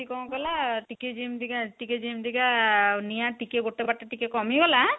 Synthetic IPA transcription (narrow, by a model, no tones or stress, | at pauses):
ikɔw̃ɡɔlaʈiked͡ʒimd̪iɡaʈiked͡ʒimd̪iɡanijaʈikeɡoʈːebaʈːeʈikekɔmiɡɔla